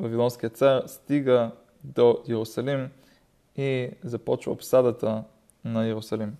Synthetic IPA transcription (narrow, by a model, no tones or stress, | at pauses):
vɐvilˠɔnskiət̪saɾst̪iɡə | d̪ojɛɾʊsɐlim | izɐpɔt͡ʃvə̰ːpsad̪ət̪ə | nɐjɛɾʊsɐlim